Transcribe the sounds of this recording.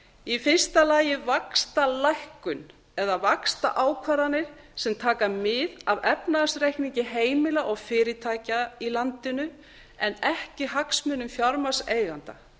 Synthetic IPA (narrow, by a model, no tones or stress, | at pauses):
ifɪ̥st̪alaːjɪvakst̪alajhkʏn | ɛðavakst̪a̰ʔaːwkʰvaɾanɪɾ̥ | sɛmt̪ʰaːkamɪðavɛpnaðasɾejhkniɲcɪɦeːjmɪlaʔɔɣfɪːɾɪt̪ʰaːjcailant̪ɪnʏ | ɛnɛhcɪɦaksmʏnʏmfjawɾmḁseːjɣant̪a